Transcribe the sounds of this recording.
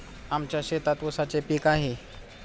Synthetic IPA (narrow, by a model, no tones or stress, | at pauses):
amt͡ɕjaɕet̪at̪ʋosat͡ɕepiːkaɦe